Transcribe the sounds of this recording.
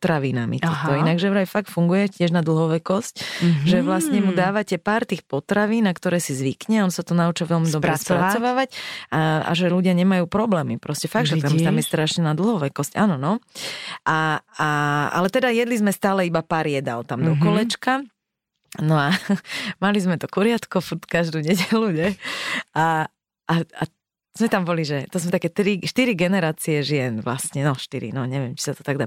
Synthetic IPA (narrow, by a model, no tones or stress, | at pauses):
t̪ɾaʋinamḭt̪ːɔinaɡʒɛɾajfak̚t̪fuŋɡujɛcɪɛʒnad̪l̩ɦɔʋɛkɔscʒɛʋlasɲɛmud̪aːʋacɛpaːɾt̪iːxpɔt̪ɾaʋiːnːakt̪ɔɾɛːsizʋikɲɛaɔnsat̪ɔnaut͡ʃaʋɛlmid̪ɔbɾɛspɾat͡sɔʋaːʋacaa̰ʒɛʎuɟɪaɲɛmajuːpɾɔblɛːmipɾɔscɛfaɡʒɛt̪amt̪amjɛst̪ɾaʃɲɛnad̪l̩ɦɔʋɛkɔscaːnɔnɔ | ʔaaa̰lɛt̪ɛd̪ajɛd̪lizmɛst̪aːlɛibapaːɾjɛd̪a̰lt̪amd̪ɔkɔlɛt͡ʃka | nɔamalizmɛt̪ɔkuɾɪat̪kɔfuɾt̪kaʒd̪uːɲɛɟɛluɲɛ | a | ʔaa | z̥mɛt̪ambɔliʒɛt̪ɔzmɛt̪akɛːt̪ɾiʃt̪iɾiɡɛnɛɾaːt͡siɛʒɪɛnʋla̰sɲɛnɔʃt̪iɾḭnɔɲɛʋɪɛmt͡ʃi̥sat̪ɔ̥t̪aɡd̪a